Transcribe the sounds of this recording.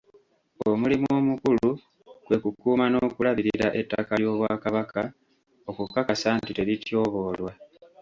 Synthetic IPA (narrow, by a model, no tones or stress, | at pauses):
o̞mulimo̞ːmukulu | kwe̞kukuːmano̞ːkulaβiɾiɾaʔe̞tːakaljo̞ːβwaːkaβaka | o̞kukːakasaːntite̞ɾitjo̞ːβo̞ːlwa